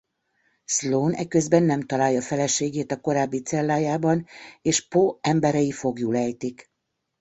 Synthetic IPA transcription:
sloːnɛ̰kø̞zbɛnːɛmt̪ɒlaːjɒfɛlɛʃeːɡeːt̪ɒko̞ɾaːbːit̪sɛlːaːjaːbɒneːʃpoɛmbɛɾɛjifo̞ɡjulɛjt̪ik

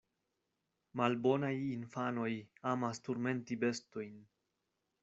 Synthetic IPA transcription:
malbo̞najinfano̞jamastoɾme̞ntibe̞sto̞jn

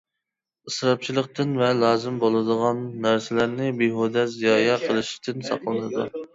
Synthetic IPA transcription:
ɨsɾɑp̚t͡ʃʰilˠəqt̪ɨnvɛlˠɑːzɨmbolˠɨd̪əʁɑnːæɾsɪlæɾnɪbiɦod̪ɛzijɑːjɑqʰəlˠɨʃi̥t̪ʰɪnsɑ̰qlˠɨnɨd̪ṵ

